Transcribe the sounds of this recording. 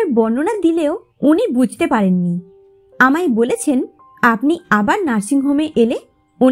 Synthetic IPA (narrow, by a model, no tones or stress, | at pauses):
ɾbɔnːonad̪ileo | unibud͡ʑʱt̪epaɾenːi | amajbolet͡ɕʰen | apniabaɾnaɾʃiŋɦomeʔele | u